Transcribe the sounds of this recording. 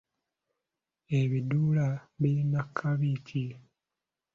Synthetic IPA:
eβiduːlaβiɾinakʰːaβitʰi

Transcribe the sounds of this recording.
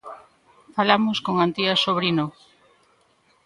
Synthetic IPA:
falamʊskoŋant̪iasoβɾino

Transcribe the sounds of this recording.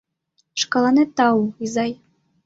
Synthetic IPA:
ʃkɑlˠɑnet̪ɑuizɑj

